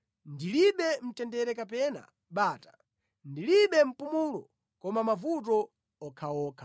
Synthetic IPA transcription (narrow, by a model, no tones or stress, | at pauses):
ndiliɓɛm̩tɛndɛɾɛkapɛna̰ | ɓaːtḁ | ndiliɓɛm̩pumulɔ | kɔmamavut̬ɔ | ɔkʰawɔːkʰḁ